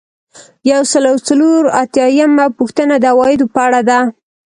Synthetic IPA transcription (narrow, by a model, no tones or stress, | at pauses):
jawsəlawt͡saloɾat̪jɑjamapuxt̪ənad̪əawɑjɪd̪opəaɽad̪a